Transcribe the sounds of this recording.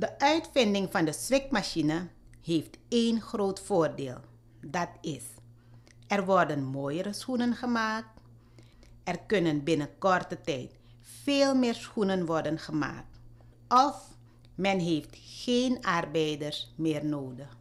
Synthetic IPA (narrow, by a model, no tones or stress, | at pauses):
dəʔœɥtfɪndɪŋvɑndəsʋɪkmaʃinəɦeːfteːnxroːtfoːrdeːlˠ | dɑtɪs | ʔɛrʋɔrdənmoːjəɾəsxunənχəmaːk̚t | ʔɛrkønənbɪnəkɔrtətɛjt | feːlˠmɪːɹsxunənʋɔrdənχəma̰ːk̚t | ɔf | mɛnɦeːftxeːnɑrbɛjdəɹsmɪːrnoːdəx